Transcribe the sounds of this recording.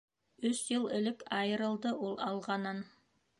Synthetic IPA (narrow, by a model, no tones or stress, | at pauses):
ɵsjɤlˠɘ̆lɘkɑjɤ̆ɾɤ̆lˠd̪ɤʔulˠɑlˠʁɑnɤn